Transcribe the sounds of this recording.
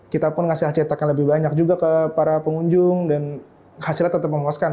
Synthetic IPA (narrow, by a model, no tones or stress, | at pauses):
kit̪apʊnŋasilaht͡ʃit̪akanləbɪhbaɲak̚d͡ʒuɡakəpaɾapəŋuɲd͡ʒʊŋdan | hasilat̪ːət̪ːəp̚məmaskan